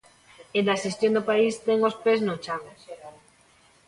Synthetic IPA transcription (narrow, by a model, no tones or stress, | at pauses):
end̪asist̪jõnd̪opaist̪eŋospeznot͡ʃaŋ